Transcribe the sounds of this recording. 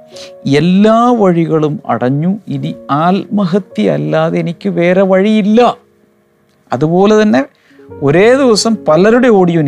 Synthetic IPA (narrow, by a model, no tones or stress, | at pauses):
elːaːʋɐɻiɣɐɭumɐ̰ɽɐɲːuiniaːlmɐɦɐt̪ːjiɐ̰lːaːðeenikʲːɨʋe̞ːre̞ʋɐɻijilːɐ | ɐðupo̞ːle̞t̪ɐnːe̞ | o̞ɾe̞ːd̪iʋɐsɐmpɐlɐɾuɽe̞o̞ːɽijon